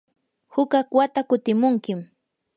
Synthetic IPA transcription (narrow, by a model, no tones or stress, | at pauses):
hʊkakwat̪akʊt̪ɪmʊŋkɪm